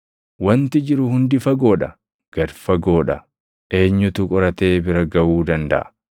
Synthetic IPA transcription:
wɐnt̪ɪd͡ʒɪɾʊhʊnd̪ɪfɐɡo̞ːᶑɐ | ɡ̥ɐɾfɐɡo̞ːᶑɐ | ʔe̞ːɲːʊt̪ʊkʼɔɾɐt̪e̞ːbɪɾɐɡɐwuːd̪ɐnd̪ɐ̰ʔɐ̥

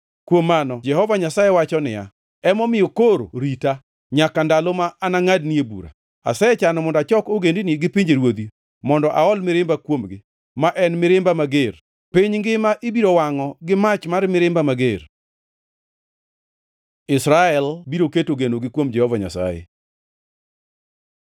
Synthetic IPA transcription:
kwomːanɔd͡ʒɛhɔvaɲasajewat͡ʃɔnɪja̰ | ɛmɔmɪjɔkoɾoɾita | ɲakandalomaʔːnaŋadniebṵɾa̰ | a̰sɛt͡ʃanɔmɔndat͡ʃɔkoɡendiniɡɪpiɲd͡ʒeɾwod̪i | mɔndɔʔaɔlmɪɾɪmbakwomɡɪ | maʔɛnmɪɾɪmbamaɡeɾ | piɲŋɡɪmaʔibiɾowaŋɔɡɪmat͡ʃmarmɪɾɪmbamaɡer | ɪsɾaɛlbiɾoketoɡenoɡɪkwomd͡ʒɛhɔvaɲa̰sa̰jḛ

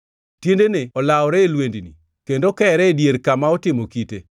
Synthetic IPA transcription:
tjendeneɔlaɔɾɛːlwendinḭ | kendokɛːɾɛdjeɾkamaɔtɪmokite

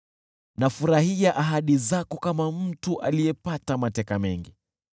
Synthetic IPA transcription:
nafuɾahiaʔaɦaɗizakɔkamam̩tuʔalijɛpatamatɛkamɛŋɡi

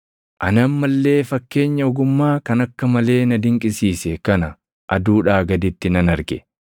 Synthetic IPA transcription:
ʔɐnɐmːɐlːe̞ːfɐkːe̞ːɲːɐɔɡʊmːaːkɐnɐkːɐmɐle̞ːnɐd̪ɪŋkʼɪsiːsɛkɐnɐ | ʔɐd̪uːᶑaːɡɐd̪ɪt̪ːɪnɐnɐɾɡɛ

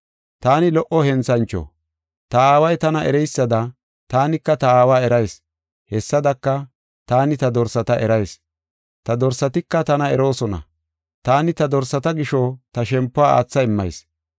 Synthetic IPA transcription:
t̪aːnɪlɔʔɔhɛnt͡sɐnt͡ʃːɔ̰ | t̪ɐaːwɐjt̪ɐnɐʔɛ̰ɾɛjsːɐd̪ɐ | t̪aːnɪkːɐt̪ɐaːwaːɛɾɐjs | hɛsːɐd̪ɐkːɐ | t̪aːnɪt̪ɐd̪ɔɾsɐt̪ɐʔɛɾɐjs | t̪ɐd̪ɔɾsɐt̪ɪkːɐt̪ɐnɐɛɾo̞ːsɔnɐ̰ | t̪aːnɪt̪ɐd̪ɔɾsɐt̪ɐɡɪʃɔt̪ɐʃɛmpːʊaːa̰ːt͡sːɐɪmːɐ̰js

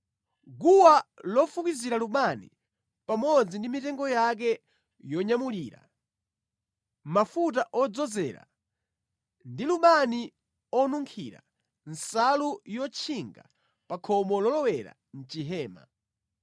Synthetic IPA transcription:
ɡuwalɔfukiziɾaluɓanḭ | pamɔd͡zindimitɛŋɡɔjak̬ɛ | jɔɲamuliːɾa̰ | mafut̬aʔɔd͡zɔzɛːɾa̰ | ndiluɓani | ɔnuŋkʰḭɾa̰ | n̩salujɔt͡ʃʰiŋɡa̰ | pakʰɔmɔlɔlɔwɛɾa̰ | n̩t͡ʃiɦɛːma̰

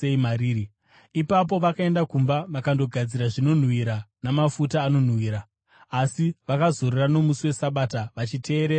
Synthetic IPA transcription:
eimaɾiːi | ipap̬o̞ʋakae̞ndakumbaʋakando̞ɡʱad͡ziɾaʐino̞n̤wiɾanamafutaːno̞n̤wiːɾaː | siʋakazo̞ɾerano̞musiwe̞saɓataʋat͡ʃitʰe̞ːɾeːa

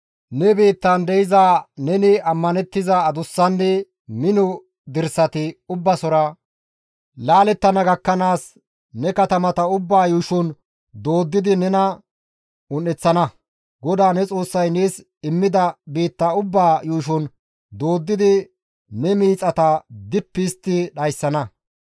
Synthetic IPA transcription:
nɛbiːt̪ːɐnd̪ɛjɪzaːnɛnɪɐmːɐnɛt̪ːɪzɐːd̪ʊsːɐnːɛ | mɪnɔ | d̪ɪɾsɐt̪ɪʊbːɐsɔɾɐ | laːlɛt̪ːɐnɐɡɐkːɐnaːs | nɛkɐt̪ɐmɐt̪ɐʊbːaːjuːʃɔn | d̪oːd̪ːɪd̪ɪnɛnɐ | ʊnːɛt͡sːɐnɐ | ɡɔd̪aːnɛt͡sʼo̞ːsːɐjneːs | ɪmːɪd̪ɐbiːt̪ːɐʊbːaːjuːʃ̬ɔn | d̪o̞ːd̪ːɪd̪ɪ | nɛmiːt͡sʼɐt̪ɐd̪ɪpːɪst̪ːɪɗɐjsːɐnɐ

